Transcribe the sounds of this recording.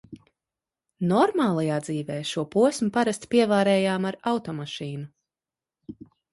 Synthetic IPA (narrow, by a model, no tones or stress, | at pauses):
nɔɾmaːlˠajaːd̪ziːvɛːʃuɔpuɔsʲmupaɾast̪piɛvaːɾɛːjaːmaɾawt̪ɔmaʃiːnu